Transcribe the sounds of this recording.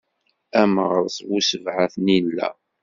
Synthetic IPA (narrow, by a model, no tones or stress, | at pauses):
æməʁɾˤsˤwusəvʕaθnilːæ̰